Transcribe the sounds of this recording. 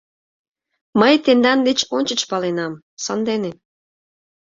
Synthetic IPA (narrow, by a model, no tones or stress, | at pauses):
məjt̪end̪ɑnd̪et͡ɕonʲt͡ɕə̆t͡ɕpɑlenɑm | sənd̪ene